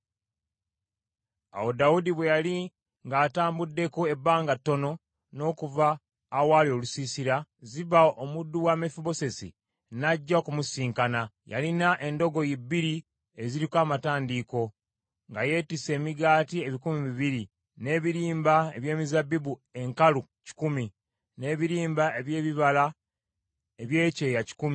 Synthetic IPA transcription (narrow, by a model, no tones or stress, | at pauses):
a̰wo̞daudiβwe̞jali | ŋɡaːtaːmbudːe̞kue̞baːŋɡatːo̞no̞ | no̞ːkuvaː | waːlio̞lusisiɾaziβaʔomudːuwaːmefuβo̞se̞sḭ | naɟːakumusiːŋkanaja̰linaʔe̞ndo̞ɡo̞jibːiɾi | e̞ziɾikwaːmataːndiːko̞ | ŋɡaje̞ːtise̞ːmiɡaːtie̞βikumiβiβiɾi | ne̞ːβiɾiːmbae̞βje̞ːmizabːiβue̞ŋkalu | ci̥kumi | ne̞ːβiɾiːmbae̞βje̞ːβiβala | eβje̞ːce̞ːjaci̥kumi